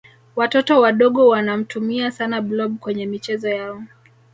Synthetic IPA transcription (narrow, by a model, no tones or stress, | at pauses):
watɔtɔwaɗɔɠɔwanam̩tumiasanablɔb̚kwɛɲɛmit͡ʃɛzɔjaɔ